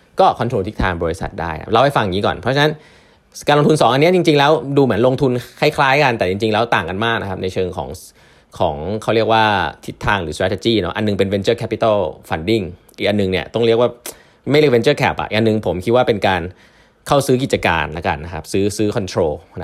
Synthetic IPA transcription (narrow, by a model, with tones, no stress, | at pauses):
kɔː˥˩kʰɔ˧nt̪ʰoː˧nt̪ʰi˦˥t̪ʰːaː˧ŋbɔː˧ɾi˦˥sa̰˨˩t̪̚daː˥˩ja̰˧˩ɾa˧wha˥˩fa˧˩ŋɲiː˦˥kɔ̰ː˨˩npʰɾɔ˦˥t͡ɕʰa˧na˦˥n | kaː˧lo˧ŋt̪ʰu˧nsɔː˩˦ʔa˧nːi˦˥˩t͡ɕi˧ŋt͡ɕi˧ŋlɛː˦˥wduː˧mɯ˩˦nlo˧ŋt̪ʰu˧nkʰa˥˩jkʰlaː˦˥jka˧nt̪ɛː˨˩t͡ɕi˧ŋt͡ɕi˧ŋlɛː˦˥wt̪aː˨˩ŋka˧nmaː˥˩k̚na˦˥kʰa˦˥p̚na˧jt͡ɕʰɤː˧ŋkʰɔ̰ː˩˦ŋ | kʰɔː˩˦ŋkʰa˦˥˩wɾi˥˩ək̚waː˥˩t̪ʰi˦˥t̪ʰːaː˧ŋɾɯː˩˦sɾaː˦˥t͡ɕa˧t͡ɕiː˥˩nɔ˦˥ʔa˧nːɯ˨˩ŋpe˧nwe˧nt͡ɕɤː˥˩kʰɛ˦˥pi˧t̪a˥˩fa˧ndi˥˩ŋʔi˨˩k̚ʔa˧nːɯ˨ŋni˥˩ɐt̪ɔ˥˩ŋɾi˥˩əkwː | ma˥˩jɾi˥˩fe˧nt͡ɕɤː˥˩kʰɛː˨˩p̚ʔa̰˨˩ʔi˨˩ʔa˧nːɯ˨ŋpʰo˩˦mkʰi˦t̪̚waː˥˩pe˧nkaː˧n | kʰa˥˩wsɯː˦˥k̬i˨˩t̪̚t͡ɕa˧ka̰ː˧nla˦˥ka̰˧˩nːa˦˥kʰa˦˥p̚sɯː˦˥sɯː˦˥kʰɔ˧nt̪ʰɾoː˧na˦